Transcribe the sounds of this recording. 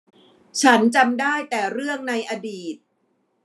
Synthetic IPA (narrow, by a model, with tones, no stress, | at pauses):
t͡ɕʰa˦˥nt͡ɕa˧mdaː˥˩jt̪ɛː˨˩ɾɯ˥˩əŋna˧jʔaː˧diː˨˩t̪̚